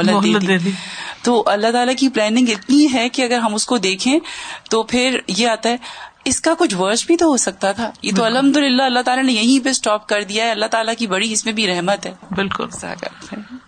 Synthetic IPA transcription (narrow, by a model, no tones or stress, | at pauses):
lːəd̪eːt̪ieːd̪it̪oːʔɐlːaɦt̪aːlakiplɛːnɪ̃ŋɡɪt̪niɦɛkiɐɡəɾɦɐmʊskod̪eːkʰẽt̪oːpʰɪɾjeaːt̪aɦɛːɪskakʊt͡ʃʰʋəɾt͡ʃbʱit̪oɦosɐk̚t̪at̪ʰaːjḛːt̪oɐlɦɐ̃md̪ʊlɪlːaɐlːat̪aːlanejɐɦĩbesʈɔːp̚kɐɾd̪ijaɦɛɐlːaɦt̪aːlakibɐɽiɪsmẽbʱiɾɛɦmət̪ɦɛːbɪlkʊ̰lsa̰ːkɐ̰ɾfɛː